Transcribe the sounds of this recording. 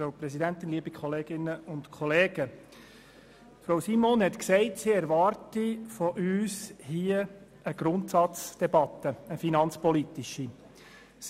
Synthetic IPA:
oʊpɾɛsidæntɪnliːbikʰχɔleːɡ̥ɪnəʊntkʰɔleːɡ̥ə | fɾaʊsimoːnhɛt̪ksɛɪtsiːɛɾʋɑːɾtifɔʔyːshiːə | əɡ̥ɾʊntsɑt͡sd̥ɛbɑt̪ːəəfinɑnt͡spɔlitiʃi | s

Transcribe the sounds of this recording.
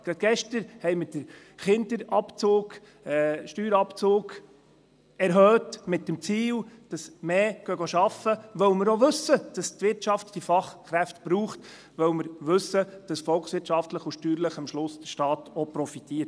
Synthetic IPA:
ɡ̥ɾɑt̪ɡ̥ɛʃtəɾhɛɪmədə | χɪndəɾɑpt͡soːk | ɛʃtyːɾɑpt͡soːɡ | ɛɾɦœːtmɪt̚dəmt͡siːld̥ɑsmeːɡ̥œɡ̥oʃɑfəʋœwməɾoʋɵsːəd̥ɑstʋɪɾtt͡ʃɑftd̥ifɑχkɾæftb̥ɾuːχt | ʋœwməɾʋɵsəd̥ɑsfɔlksʋɪɾt͡ʃɑftləχʊʃtyːɾləχəmʃlʊsd̥əʃtɑːtɔpɾɔfit̪iːət

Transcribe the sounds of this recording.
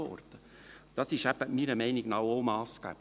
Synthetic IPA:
ɔ̰rd̪̥ə | d̥ɑsɪʃæb̥əmiɾəmɛɪniɡ̥nɑwoʊmɑːskæ̰b̥

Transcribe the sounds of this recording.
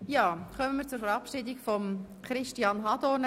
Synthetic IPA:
jɑːχœmənmiːɾt͡sʊɾfɛɾɑpʃɪd̪ɪkfɔm | χɾɪʃtiɑːnɦɑd̪ɔːn

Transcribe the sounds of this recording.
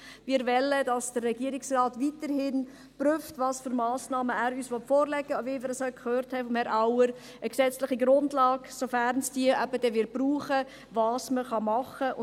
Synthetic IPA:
ʋɪːɾvɛlədɑsd̥ərːɛɡ̥iəɾɪksrɑːtvitəɾhɪn | pryftʋɑːsføɾmɑːsnɑːməæːɾyːsʋɔtfɔːɾlɛɡ̥əovimɪːɾɛsœlkʰχøːɾthɛfɔmhɛɾʔaʊəɾ | əksɛt͡slɪχiɡɾʊndlɑːɡsofæɾnsd̥iəʔɛbədɛʋɪɾtbruːχə | vɑːsməχɑmɑχəʊ

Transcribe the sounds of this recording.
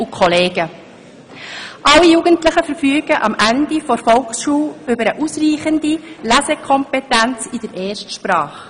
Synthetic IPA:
ukʰχɔleːɡ̥ə | ʔɑlːijuːɡ̥əntləχəfəɾfyːɡ̥əʔɑmʔændifɔɾfɔlksʃuːʏbəɾəʔusriːχəndilæzɛkʰɔmpɛtænt͡sid̥əɾɛːɾʃtʃpɾɑːχ

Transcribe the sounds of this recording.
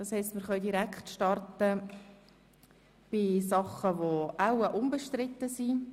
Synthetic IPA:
d̥ɑːshɛɪstməɾχœʏdiɾækχtʃtɑrtə | b̥ɪsɑχəʋoʔaʊəʔʊmbəʃtɾɪt̪ːəsi

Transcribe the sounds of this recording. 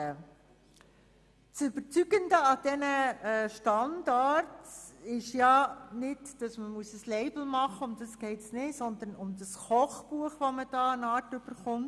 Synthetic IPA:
t͡sʏbəɾt͡syɡəndəɑd̥ɛnəʃtɑndɑɾtɪʃjɑnɪdd̥ɑsməmuəsəsleɪbl̩mɑχəʊmdɑsɡ̥ɛɪtsnɪsɔnd̪ənʊmdɑsχɔχb̥uəχʋoməd̥ɑːənɑːrtʏb̥əɾχʊmt

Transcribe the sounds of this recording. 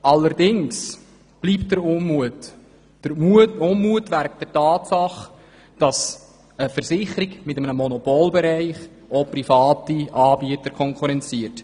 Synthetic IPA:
ʔɑlːəɾdɪŋs | b̥liːpt̚d̥əɾʊmmuət | uʊmmuətvæɾk̚d̥əɾtɑːtsɑχ | d̥ɑs | əfəɾsɪχəɾiɡmɪtəmənəmɔnɔpoːlbɛɾæɪχ | oprifɑːtiʔɑːbiətəɾkʰɔŋkʰuɾɛnt͡siət

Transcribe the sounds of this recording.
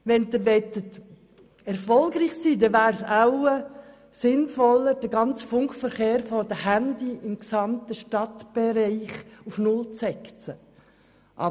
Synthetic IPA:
ʋɛnd̪əʋɛt̪ət | ɛɾfɔlɡɾiːχsiːdɛʋæːɾsaʊə | sɪnfɔləɾd̥əɡɑnt͡sfʊŋkfəɾχeːɾfɔd̥əhændiɪmksɑmt̪əʃtɑt̪b̥eɾiɪχufnʊlt͡sɛkt͡sə | ʔɑ̰

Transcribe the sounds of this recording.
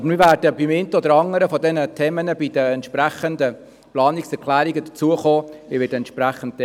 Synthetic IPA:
ɑbəmivæːɾdəbimɪnt̪əɔd̪əɾɑŋːəɾəfɔd̪ɛnət̪ʰɛːmənəbidəɛntʃpɾæχənd̪ə | plɑːniksɛɾkʰlæːɾiɡəd̥̪ət͡suəχoːɪʋɪːdəɛnt̪ʃpɾæχənt̚t

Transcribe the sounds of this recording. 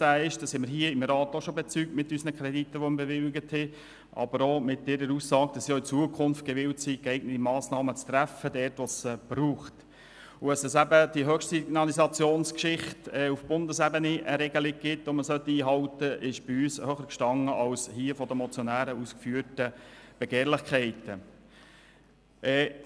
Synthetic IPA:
æːɪʃd̥ɑshɛməɾɦiəɪmɾɑːt̪ɔʃobet͡sykmɪtːysnəkʰɾɛditːəʋɔmbeʋɪlɡəthɛ | ʔɑ̰bəɾomɪt̚dɪɾəɾuːssɑːɡ̥̚d̥ɑsːiɔɪt͡suəkʰʊnft̚ɡ̥ɛʋɪwtsikɛɪɡ̚nətimɑːsnɑːmət͡st̪ɾæfədɛːɾtʋɔsb̥ɾuːχt | ʊəsɛsæbəd̥iɦœχʃtinɑlisɑt͡sjoːnskʃɪχtɛːufb̥ʊndəsɛbəniʔəɾɛɡəlɪɡ̚ɡ̥ɪt̪ʋoməsœt̪ːiːɦɑwtəʔɪʃb̥iyːshøχəɾkʃtɑŋəʔɑlshiəfɔd̪əmɔt͡sjɔnæːɾəuːskfyːətəb̥ɛɡeːɾlɪχkʰχɛɪtə | ʔɛː

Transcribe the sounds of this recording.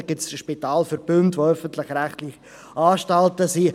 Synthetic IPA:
ɡ̥itsʃpitaːlfʏɾb̥ʏntʋoœfən̩tlɪxɾæχtlɪχ | ɑːʃtɑltəsi

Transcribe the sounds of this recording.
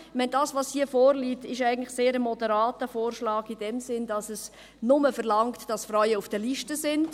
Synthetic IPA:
mɛndɑːsʋɑshiəfoːɾliːtɪʃæɪɡən̩tlɪxseːɾəmɔdəɾɑːtəfoːrʃlɑːɡidɛmsɪndɑsəs | nʊməfəɾlɑŋktd̥ɑsfɾœʏəufd̥əliʃtəsɪnd

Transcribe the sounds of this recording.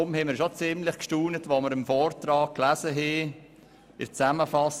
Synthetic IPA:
ʊmhɛmɪɾʃot͡sɪmlɪχkʃtuːnətʋoməɾəmfɔːrtɾɑːk̚klæzəɦe | ɪ̰t͡sæməfɑs

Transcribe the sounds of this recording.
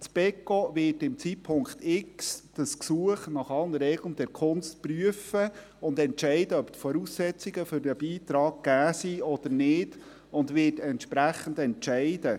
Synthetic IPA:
t͡sb̥ɛkovɪːtɪmt͡siːt̚pʰʊŋkt̪ɪksd̥əsksuəχnɑχɑlnəɾɛɡlənd̥ɛɾkʰʊnstpryəfə | ʊndɛntʃɛɪdəœptfɔɾuːsːɛt͡siɡəfʏɾdəbiːt̪ɾɑːɡ̚ɡ̥æːsiɔd̥əɾnɪːd̥ | ʊndʋɪːtɛntʃpɾæχən̩dɛntt͡ʃɛɪdə

